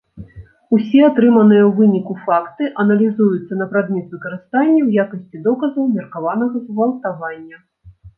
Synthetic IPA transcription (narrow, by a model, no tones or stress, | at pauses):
usʲɛat̪ɾɨmɐnɨjɐwvɨnʲikufakt̪ɨʔɐnɐlʲizujut̪sːɐnɐpɾad̪mʲɛt̪vɨkɐɾɨst̪anʲːɐwjakɐsʲt͡sʲid̪ɔkɐzɐwmʲɛrkavanɐɣɐzvɐlˠt̪avanʲːɐ